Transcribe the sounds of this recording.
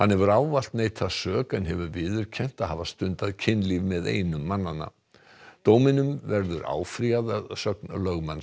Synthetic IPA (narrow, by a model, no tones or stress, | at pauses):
hanːhɛvʏɾaːwval̥t̪neːjt̪ʰasœːkaɛnɦɛvʏɾvɪːðʏɾ̥cʰɛn̥t̪aðhavast̪ʏnt̪aðcʰɪnːlivmɛðḛːjnʏmːanːanːa̰ | t̪oːwmɪnʏmvɛɾðʏɾa̰ːwfɾiaðaðsœknlœɣman